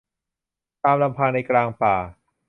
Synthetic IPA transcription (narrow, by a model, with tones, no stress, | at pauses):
t̪aː˧mla˧mpʰaː˧ŋna˧jkɾaː˧ŋpaː˨˩